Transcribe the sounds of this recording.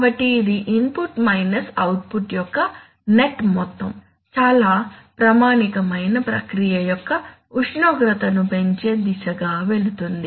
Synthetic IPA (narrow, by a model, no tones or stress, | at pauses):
ɐbɐʈiːd̪iʔimpuʈmɐjnɐsɐwʈ̚puʈjɔkːɐ | ne̞ʈmɔt̪ːɐm | t͡ʃaːlaːpɾɐmaːnikɐmɐjnɐpɾɐ̰kɾijɐjɔkːɐ | uʂɳoːɡɾɐt̪ɐnupe̞ɲt͡ʃe̞ːd̪isɐɡaːʋe̞ɭut̪und̪i